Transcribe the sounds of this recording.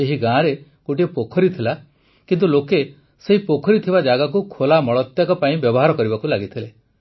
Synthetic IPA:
eɦiɡãːɾe | koʈiepokʰɔɾit̪ʰila | kint̪uloke | seɦipokʰɔɾit̪ʰibad͡ʒaɡak̬ukʰolamɔɭɔt̪jakɔpaĩbjɔbɔɦaɾɔkɔɾibakulaɡit̪ʰile

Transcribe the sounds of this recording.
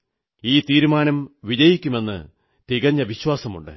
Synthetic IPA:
iːt̪iːɾumaːnɐmʋid͡ʑɐjikʲːume̞nːɨ̰ | t̪iɣɐɲːɐʋiɕwaːsɐmṵɳɖɨ̰

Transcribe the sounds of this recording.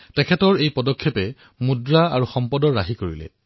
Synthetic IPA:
tɛkʰɛtɔɹejpɔdɔkʰːɔpɛ | mudɹaaɹuxɔmpɔdɔɹaɦikoɹilɛ̰

